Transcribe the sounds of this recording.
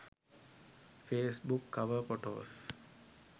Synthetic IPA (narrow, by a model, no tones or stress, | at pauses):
feːsbukːɐʋəɾfoʈo̰ːs